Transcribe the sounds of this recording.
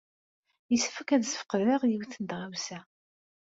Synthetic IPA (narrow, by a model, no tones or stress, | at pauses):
jəsfəkæðsə̥fə̥qðəʁjiwθənd̪ʁæwsæ